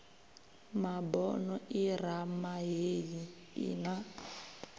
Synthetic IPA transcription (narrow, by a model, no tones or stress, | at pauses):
mabɔnɔʔiramaɦeji | ḭna